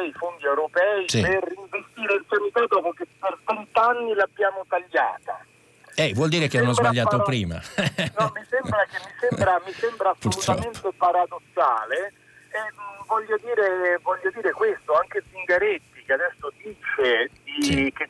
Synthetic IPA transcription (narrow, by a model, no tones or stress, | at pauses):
ɛifond̪iɛwɾopɛːisiperiɱvest̪iːɾeilsanit̪ad̪ɔpokepːervɛnt̪anːilabːjaːmot̪aʎːa̰ːt̪a | ɛvwɔld̪iːɾekeanːozbaʎːaːt̪opɾiːma̰nɔmːisɛmbɾak̟emːisɛmbɾamisɛmbɾaspuɾut̪ɾɔ̰pent̪epaɾad̪osːaːle | ɛvɔʎːod̪iːɾevɔʎːod̪iːɾekwest̪oaŋk̟esiŋɡaɾet̪ːik̟ead̪ɛsːod̪iːt͡ʃed̪isk̟e